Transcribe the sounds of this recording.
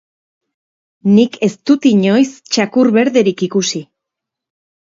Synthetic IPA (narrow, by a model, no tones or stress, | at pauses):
nike̞st̪ut̪iɲo̞jst͡ʃakuɾβe̞ɾðe̞ɾikikusi